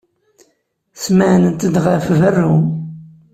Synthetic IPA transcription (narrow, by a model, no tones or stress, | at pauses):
smaʕnənt̪əd̪ʁəfvərːum